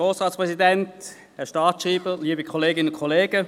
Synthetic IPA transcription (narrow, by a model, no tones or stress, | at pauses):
oːsʁɑːtspʁɛsidɛnt | ɛʃtɑːtʃʁiːbəliːbikʰɔleːɡɪnənʊnkʰɔleːɡ̥ə